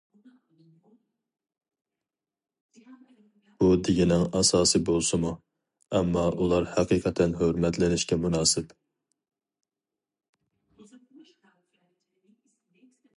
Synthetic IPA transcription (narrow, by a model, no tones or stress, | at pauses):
b̥ud̪ɪɡʲɪnɪŋɑsɑːsɨbolˠsɨmu | ɛmːɑʔulˠɑɾhæqʰiːqʰɛt̪ʰɛnɦøɾmɛt̪lɪnɪʃkʲɛmunɑːsɪp